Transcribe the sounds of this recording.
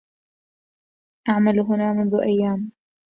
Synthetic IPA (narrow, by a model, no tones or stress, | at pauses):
ʔaʕmalɦʊnaːmʊnðʊʔajːaːm